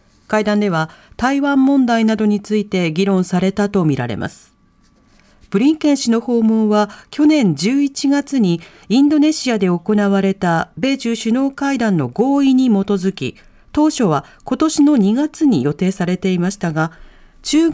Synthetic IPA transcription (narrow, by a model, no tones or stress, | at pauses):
kaid̪ãnd̪e̞β̞at̪aiβãmːõ̞nd̪ainad̪o̞ɲ̟it͡sɨit̪e̞ɡʲiɾõ̞ɰ̃saɾe̞t̪at̪o̞mʲiɾa̰ɾe̞̰mʔa̰sɨ̥ | b̥ɯ̟ɾʲĩŋkẽ̞ɰ̃ɕino̞ho̞ːmo̞ːβakʲo̞nẽ̞ɲd͡ʑɨːit͡ɕiɡat͡sɨɲ̟i | ĩnd̪o̞ne̞ɕiad̪e̞o̞ko̞naβaɾe̞t̪abe̞ːʑɨːɕɨno̞ːkaid̪ãnːo̞̰ɡo̞ːiɲ̟imo̞t̪o̞zɨkʲḭ | t̪o̞ːɕo̞βa | ko̞t̪o̞ɕino̞ɲ̟iɡat͡sɨɲ̟ḭjo̞t̪e̞ːsaɾe̞t̪e̞imaɕi̥t̪aɡa | t͡ɕɨː